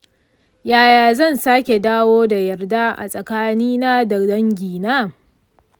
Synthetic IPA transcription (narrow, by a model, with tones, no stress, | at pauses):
jaː˦jaː˨zɐ˦˨nsaː˦kʲe˨daː˦woː˦da˨jɐ˨rda˦ʔa̰˨sʼɐ˨kaː˦niː˦naː˦dɐ˨dɐ˦ŋɡʲiː˨naː˦